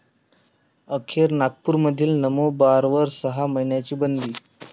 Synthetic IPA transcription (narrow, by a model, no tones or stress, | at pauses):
əkʰeɾnak̚puːɾməd̪ʱiːlnəmobaɾʋəɾsəɦaməɦiɳjat͡ɕiːbənd̪iː